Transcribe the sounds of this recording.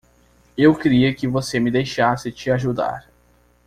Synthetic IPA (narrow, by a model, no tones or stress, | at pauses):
ewkɪɾiɐkɪvosemɪd̪ejʃasɪt͡ʃɪaʒud̪a̰ɾ